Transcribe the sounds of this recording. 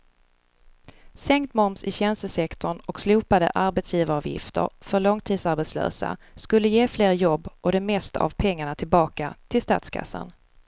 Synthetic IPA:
sɛŋkt̪mɔmsɪɕɛnst̪əsɛkt̪ɔɳɔksluːpad̪ə̰ʔaɾbɛt̪sjiːvaɾɑːvjɪ̰ft̪ʰə̰ɾfœɾɭɔŋt̪ʰiːd̪saɾbɛt̪slø̰ːsa̰skɵlːəjeːfleːɾjɔbːʔɔd̪ɛmɛst̪aa̰vpʰɛŋːaɳat̪ʰɪlbɑːkat̪ʰɪlst̪a̰ːt̪skʰa̰sːa̰n

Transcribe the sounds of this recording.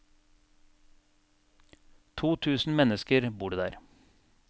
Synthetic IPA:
t̪ʰuːt̪ʰʉːsn̩mɛnəskəɾbuːɖeːd̪æ̰ːɾ

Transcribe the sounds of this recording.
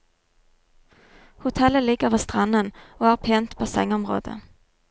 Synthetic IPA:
hʊt̪ʰɛlːəlɪɡːəvɑst̪ɾanːənɔhæɾpʰɛnt̪pʰɔsɛ̰ŋːɔmɾo̰ːd̪ə̰

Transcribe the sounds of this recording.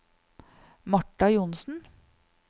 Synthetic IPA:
mɑʈːɑjʊnsn̩

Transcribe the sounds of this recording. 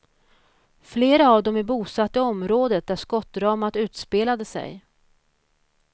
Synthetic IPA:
fleːɾaːvd̪ɔmæbuːsat̪ːəɔmɾoːd̪ət̪̚d̪æʂkɔt̪ːɾɑːmat̪ʉ̟ːt̪speːlad̪əsɛ̰j

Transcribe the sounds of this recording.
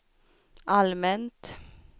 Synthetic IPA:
almɛnt̪

